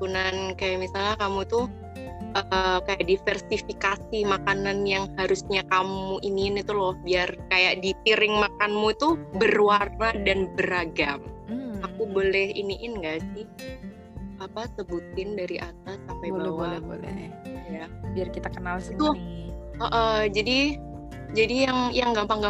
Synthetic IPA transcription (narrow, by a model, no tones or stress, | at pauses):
tunankajaʔmisalɲakamut̪uh | ʔəkajaʔdifɛrsifikasimakananjaŋhaɾusɲakamuʔiniːnit̪ulɔhbiarkajaʔdipiɾɪŋmakanmut̪ubərwaradanbəɾaɡamakubolɛhḭniʔɪnŋɡaʔsɪh | apasəbut̪ɪndaɾiʔat̪asampajbawaɛbo̰lɛ̰jabiarkit̪akənalʊ | əʔəd͡ʒadi | d͡ʒadijaŋjaŋɡampaŋɡa